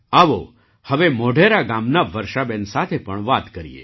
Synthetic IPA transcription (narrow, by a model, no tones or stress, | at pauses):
aʋo | həʋemoɖʱeɾaɡamnaʋəɾʃabensat̪ʰepəɳʋat̪kəɾḭḛ